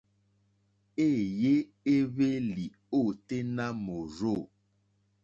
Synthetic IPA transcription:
e˦˨je˦ | e˦βe˦li˨ | o˦˨te˦na˦mo˨ɾo˦˨

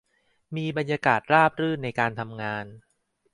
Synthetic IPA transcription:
miː˧ba˧njaː˧kaː˨˩t̪̚ɾaː˥˩p̚ɾɯː˥˩na˧jkaː˧nt̪ʰa˧mŋaː˧n

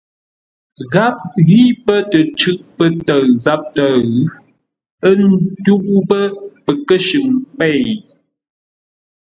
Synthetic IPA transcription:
ɣa˦p̚ɣi˦pə˦tə˨t͡ʃʉ˦ʔ̚pə˦tə˨ɰza˦p̚tə˦˨ɣʉ˦ | ə˦n˦tu˦bbə˦pə˨kə˦ʃʉ˨ŋpɛ˦˨

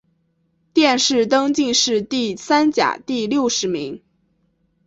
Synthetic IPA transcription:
t̪jɛ˥˧nʂɻ̩˥˩t̪ɤ˥ŋt͡ɕi˥˧ŋʂɻ̩˥˧t̪i˥˩sa˥nt͡ɕja̰˨˩t̪i˥˧ljo˥˩ʊʂɻ̩˧˥mi˧˥ŋ

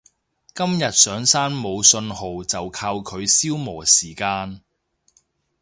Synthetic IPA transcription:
kɐ˥mjɐ˨t̚sœː˨˥ŋsaː˥nmo˨˧wsɵ˧nho˨wt͡sɐ˨wkʰaː˧wkʰɵ˨˧ɥsiː˥wmɔː˨˩siː˨˩kaː˧n

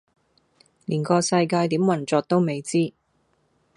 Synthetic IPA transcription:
liː˨˩nkɔː˧sɐ˧jkaː˧jt̪iː˨˥mwɐ˨˩nt͡sɔː˨˧k̚t̪o˥wme˨˧jt͡siː˥

